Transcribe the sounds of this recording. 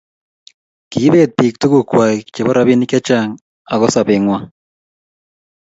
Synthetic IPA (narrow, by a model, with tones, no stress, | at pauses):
ki˨˦be˦˨d̪̚pi˨k̚t̪u˦kʊ˦˨kwa˨it͡ʃe˨bɔ˦ɾa˦bi˦ni˦kɛ˦t͡ʃa˦ŋ | a˨ɡɔ˦sa˨bɪ˨ŋwa˦